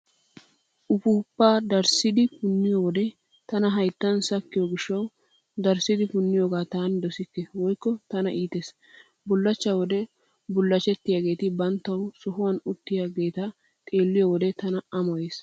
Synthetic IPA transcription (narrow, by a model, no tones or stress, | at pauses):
ʔʊfuːpːaːd̪ɐɾsɪd̪ɪpʊnːɪjowɔd̪ɛ | t̪ɐnɐɦɐjt̪ːɐnsɐkːɪjoɡɪʃːɐw | d̪ɐɾsɪd̪ɪfʊnːɪjoːɡaːt̪aːnd̪ɔsɪkːɛwɔjkːɔt̪ɐnɐʔiːt̪eːs | bʊlːɐt͡ʃːawɔd̪ɛ | bʊlːɐt͡ʃːɛt̪ːɪjaːɡe̞ːt̪ɪbɐnt̪ːɐwsɔɦʊwɐnʊt̪ːɪjaːɡe̞ːt̪ɐ | t̪ʼeːlːɪjowɔd̪ɛt̪ɐnɐɐmɔjeːs